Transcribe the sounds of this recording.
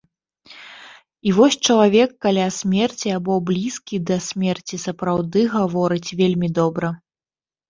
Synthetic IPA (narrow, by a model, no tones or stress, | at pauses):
ivɔsʲt͡ʂɐlˠavʲɛkːalʲasʲmʲɛrt͡sʲiabɔblʲiskʲid̪ɐsʲmʲɛrt͡sʲisɐpɾawd̪ɨɣavɔɾɨt͡sʲvʲelʲmʲid̪ɔbɾɐ